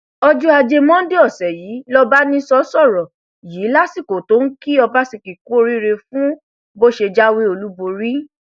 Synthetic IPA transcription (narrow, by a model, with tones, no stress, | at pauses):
ɔ˧d͡ʒu˦a˧d͡ʒe˧mɔ̃˦de˦ɔ˦˨sɛ˨jiː˨˦lɔ˦ba˦nĩ˦sɔ˦sɔ˦˨ɾɔ˨ | jiː˨˦la˦si˦˨ko˨to˦n̩˦ki˦ɔ˧ba˦si˨ki˨ku˦o˦˧ɾi˦ɾe˧fũ˦ | bo˦ʃe˧d͡ʒa˦we˦o˧lu˦bo˧ɾi˦